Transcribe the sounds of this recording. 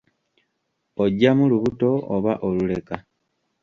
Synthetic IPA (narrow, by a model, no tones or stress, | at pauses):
o̞ɟamuluβuto̞oβaʔo̞lule̞ka